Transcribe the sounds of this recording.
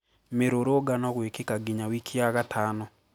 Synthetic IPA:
meɾoɾoɡanɔɣwekekaɡiɲawikʰiaɣatʰaːnɔ

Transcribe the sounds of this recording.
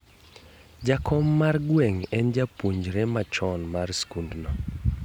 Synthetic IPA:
d͡ʒakʰɔmːarɡwɛŋɛnd͡ʒapoɲd͡ʒɾɛmat͡ʃɔnmarskundnɔ

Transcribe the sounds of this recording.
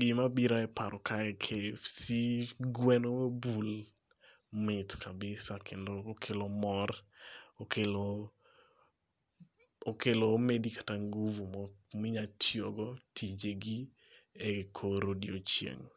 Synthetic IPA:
ɡɪmabiɾaɛpaɾɔkʰaɛkʰefsiɡwɛnowebul | mɪtkʰabɪsakʰendoːkʰelomɔrokʰelo | kelomedikḁtaŋɡuvumɔmɪɲatʰjoɡɔtʰid͡ʒeɡi | ɛkʰoɾodiot͡ʃjḛŋ

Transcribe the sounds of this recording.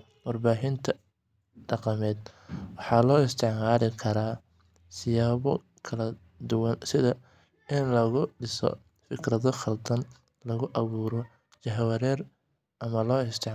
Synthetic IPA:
wɑrbaːɦɪnt̪ʰɐ | ɖɑqɑmɛːd̪wɑħɑːlɔːɪst̪ʰɛʕmaːlɪkʰɐɾaː | sɪjaːβɔ | kʰɐlɐ | d̪ʊwɑnsɪðɐ | ɪnlɐɣʊɖɪsɔ̰ | fɪkʰrɐðɔχɐld̪ɐn | lɐɣʊʔɐβuːɾɔ | t͡ʃɐɦwɐɾɛːr | ʔɐmɐlɔːɪst̪ʰɛʕ

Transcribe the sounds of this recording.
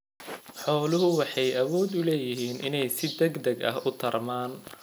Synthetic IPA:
ħɔːlʊɦʊwɑħɑjʔɐwɔːd̪ʊlɛːjɪɦiːnʔɪ̰nɛjsɪd̪ɛɡd̪ɐɡɐ̰hʔʊt̪ʰɐrmaːn

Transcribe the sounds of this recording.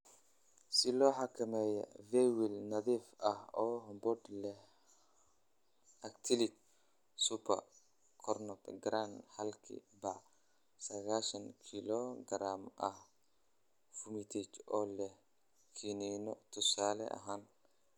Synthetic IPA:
sɪlɔːħɑkʰɐmɛːjɔ̰vɛwilnɐðiːfɐhɔːɦɔmbɔd̪lɛh | ɐkt̪ʰɪlɪk̚ | supʰɐ̰r | kʰɔrnɔtɡɾaːnhɐlkʰḭbɑʕ | sɐɣaːʃɐŋkʰilɔɡɐɾaːmɐh | fumit̪ʰɛt͡ʃʔɔːlɛh | kʰiːninɔt̪ʰʊsaːlɛ̰ʔɐ̰ɦaːn

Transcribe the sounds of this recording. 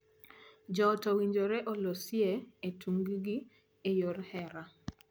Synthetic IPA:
d͡ʒɔtɔwiɲd͡ʒoɾɛʔolosjeetʰuŋɡɡi | ejoɾhɛɾa

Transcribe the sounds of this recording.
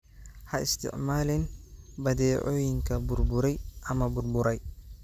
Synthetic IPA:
hɐʔɪ̰st̪ʰɪ̰ʕmaːlɛnbɐd̪ɛːʕɔːjɪŋkʰɐbʊrbʊɾɛjʔɐmɐbʊrbʊɾɛj

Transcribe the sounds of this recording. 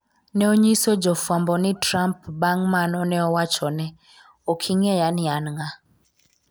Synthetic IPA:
nɛoɲisod͡ʒɔfwambɔnɪtɾampbaŋmanɔnɛɔwat͡ʃɔnɛ | okʰiŋɛjanɪanŋa

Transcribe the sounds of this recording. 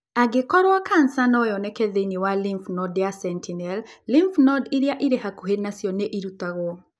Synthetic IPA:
aɡɪkɔɾoakansanɔjɔnɛkɛðeniwalimfnɔdjasɛntʰinɛllimfnɔdiɾjaʔiɾehakuɦenasjɔneʔiɾut̪aɣwɔ

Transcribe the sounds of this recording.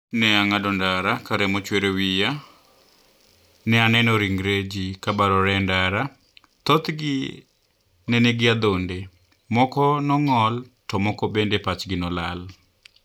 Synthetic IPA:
nɛaŋadɔndaɾakaɾɛmɔt͡ʃweɾewija | nɛanɛnɔɾiŋɾed͡ʒikabaɾɔɾɛndaɾa | t̪ɔt̪ɡɪ | nɛneɡɪad̪onde | mɔkɔnɔŋɔltɔmɔkɔbendepat͡ʃɡɪnɔlal

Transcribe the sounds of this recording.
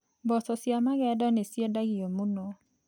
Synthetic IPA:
bɔsɔsjamaɣɛdɔnesjɛdaɡiomunɔ

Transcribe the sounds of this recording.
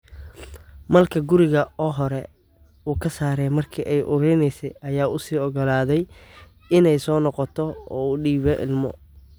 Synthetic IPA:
mɐlkʰɐɡʊɾɪɣɐɔːɦɔɾɛ | uːkʰɐsaːɾɛmɐrkʰiːʔɛjʔʊɾɛjnɛjsɛjʔɐjaːʔʊsiːɔɣɔlaːðɛj | ɪnɛjsɔːnɔqɔt̪ʰɔɔːuːɖiːβɛʔɪ̰lmɔ̰

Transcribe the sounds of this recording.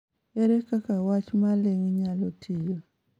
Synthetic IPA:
ɛɾɛkakawat͡ʃmaleŋɲalotʰɪjo

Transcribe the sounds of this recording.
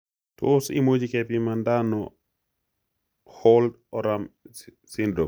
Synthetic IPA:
tosḭmod͡ʒikɛpimandanɔ | hɔld | ɔɾam | sɪndɾo

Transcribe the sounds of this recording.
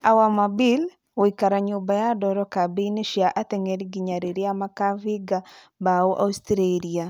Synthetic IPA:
awamabil | oikaɾaɲʊbajadɔɾɔkabinɪʃjaʔat̪eŋeɾiɡiɲaɾiɾiamakaviɡa | baoʔa̰ustɾelia

